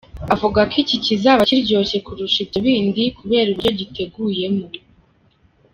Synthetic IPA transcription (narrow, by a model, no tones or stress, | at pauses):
avuɡakʰicicizaβaciɾɟo̞ːce̞kuɾuʃitaβiːndikuβe̞ːɾiβiɟo̞ɟite̞ɡuje̞mo